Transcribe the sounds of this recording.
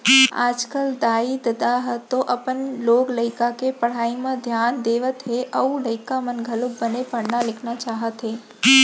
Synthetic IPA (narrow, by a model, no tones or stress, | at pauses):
a̰ːd͡ʒkəld̪aːid̪əd̪aɦt̪oʔɐpənloːɡləɪkakepəɽ̤aːimãd̪ʱjaːnd̪eːʋət̪ɦeʔɐuləɪkamənɡʱəlʊb̚bənepəɽnalɪkʰnat͡ʃaːɦət̪ɦeː